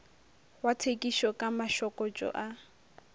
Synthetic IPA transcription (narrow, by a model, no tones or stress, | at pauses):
watʰekʼiʃɔkʼamaʃɔkʼɔt͡ʃʼɔ̰ʔa